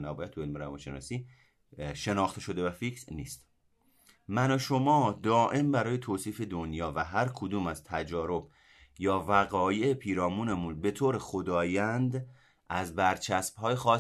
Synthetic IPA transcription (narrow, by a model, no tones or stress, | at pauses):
næbɒjæt̪̚t̪ʰːuelmeɾævɒ̰ːnʃe̞̰nɒ̰ːsiː | ʃe̞nɒːxt̪e̞ʃo̞d̪e̞væfiːcʰɾniːst̪ | mænɒʃo̞mɒːd̪ɒːʔe̞mbæɾɒːje̞t̪ʰoːsiːfe̞d̪onjɒːvæɦæɾkʰod̪uːmæzt̪ʰæd͡ʒɒːɾo̞b̥ | jɒːvæɣɒːje̞epʰiːɾɒːmuːnemunbe̞t̪ʰoːɾe̞xod̪ɒːjænd̪ | ʔæzbæɾt͡ʃʰæsb̥ɦɒːjexɒː